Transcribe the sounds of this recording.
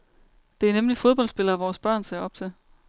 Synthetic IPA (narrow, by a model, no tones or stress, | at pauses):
d̥e̝æɐnemlifo̝ð̞ˠb̥ɒ̽l̰sb̥e̝lɐæʋɒːsb̥ɶɐ̰nseɐɒ̽b̥̚t͡sʰe̝l